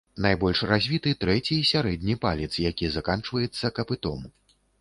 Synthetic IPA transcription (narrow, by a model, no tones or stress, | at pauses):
najbɔlʲʂrazʲvʲit̪ɨt̪ɾɛt͡sʲisʲaɾɛd̪̚ʲnʲipalʲit̪sjakʲizakant͡ʂvɐjɛt̪sːɐkɐpɨt̪ɔ̰m